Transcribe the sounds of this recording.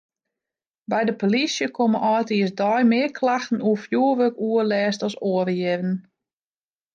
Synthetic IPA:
bɛjdəpolisjəkʰoməʔɔjtiəsdɔjmɪəkʰlaxtn̩uəfjuəʋøkuəlɛːstɔsoəɾjɪrən̩

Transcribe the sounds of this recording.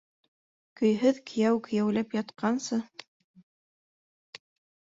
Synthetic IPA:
kɵ̆jɦɵðkʰɘ̆jæwkɵ̆jæwlæpjɑt̪qɑnsɤ

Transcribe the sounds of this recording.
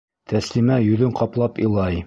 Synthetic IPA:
t̪ʰæslimæjɵðɘɴqɒplˠɑpḭlˠɑj

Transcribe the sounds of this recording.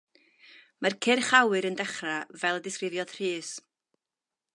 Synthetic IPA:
markʰɪrχawɨɾəndɛχravɛlˠədɪskrɪvjɔð̥r̥iːs

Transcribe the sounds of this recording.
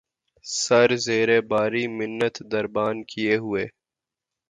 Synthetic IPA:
sɐɾzeːɾebaːɾimɪnːət̪d̪ɐɾbaːnkijeɦueː

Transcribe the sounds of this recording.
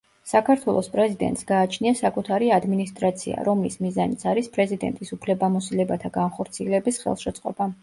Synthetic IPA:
sakʰaɾt̪ʰwɛlˠɔspʼɾɛzid̪ɛ̰nt̪sɡaːt͡ʃʰniasakʼut̪ʰaɾiad̪minist̪ʼɾat̪sʰḭa̰ɾɔmlismizanit̪sʰaɾispʼɾɛzid̪ɛ̰nt̪ʼisupʰlɛbamɔsilɛbat̪ʰaɡanχɔɾt̪sʰiɛlɛbisχɛ̰lˠʃɛt̪sʼqʼɔba

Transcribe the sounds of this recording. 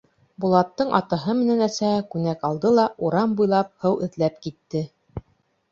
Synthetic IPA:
bulˠɑt̪ːɤɴʔɑ̰t̪ɑɦɤmɘ̆nænæsækʉnækɑlˠd̪ɤlˠɑʔuɾɑmbujlˠɑp̚hɤwɘ̆ðlæpkit̪ːɘ

